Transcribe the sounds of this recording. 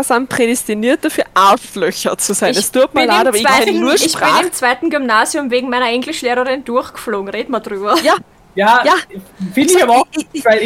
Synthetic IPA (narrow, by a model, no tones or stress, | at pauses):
sanpʁ̥edɛstiniːɐt̚d̥afyːɐʔaʊslœçɐt͡suzaɪnɐsd̥yɐftmanlːtaːɐɪɛnnuːɐʃçʁʁaɪːnɪmt͡sv̥aɪtn̩ɡymnaːzjʊmveːɡŋ̩maɪnɐʔɛŋɡlɪʃleːʁɐʁɪnd̥ʊɐxɡ̥ə̥floːɡŋ̩ʁeːtmadʁyːbɐja | jaːjaːfɪndɪçabɐaɪl